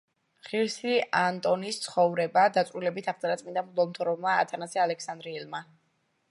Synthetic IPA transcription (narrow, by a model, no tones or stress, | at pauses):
χiɾsiant̪ʼɔnist̪sʰχɔvɾɛbad̪at̪sʼɾilɛbit̪ʰaχd̪zaɾat̪sʼmind̪amlˠɔlˠmt̪ʰɔɾɔvmaa̰t̪ʰanazɛalɛkʰsand̪ɾiɛlma